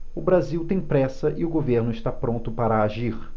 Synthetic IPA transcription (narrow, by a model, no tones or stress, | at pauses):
ʊbɾaziwt̪ẽj̃pɾɛsɐʔɪʊɡoveɾnʊɪʃt̪apɾõnt̪ʊpaɾɐaʒiɾ